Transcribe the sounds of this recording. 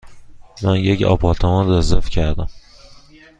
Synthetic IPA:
mænjecɒ̰ːpʰɒːt̪ʰæmɒnd̪æzefcʰæɾd̪æm

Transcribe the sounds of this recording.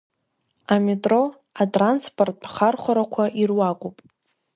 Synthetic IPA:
ametʼro | atʼranspʰʼortʼχarχʷaɾakʷʰaʔirwakʷʼupʼ

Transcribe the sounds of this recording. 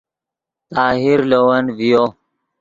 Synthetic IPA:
t̪aːɦiɾlowɐnvijo

